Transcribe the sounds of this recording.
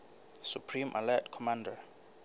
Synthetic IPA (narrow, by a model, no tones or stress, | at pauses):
supʰrimʔa̰lɛtkʰɔmãnda